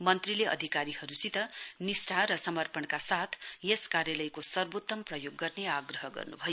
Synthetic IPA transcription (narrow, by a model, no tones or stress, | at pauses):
mʌnt̪rileʌ̰d̪ʱikaɾihʌɾusit̪ʌnisʈʰaɾʌsʌmʌrpʌɳkasat̪ʰjeskaɾjalʌjkosʌrbot̪ːʌmprʌjoɡːʌrneaɡrʌɦʌɡʌ̰rnṵbʱʌjo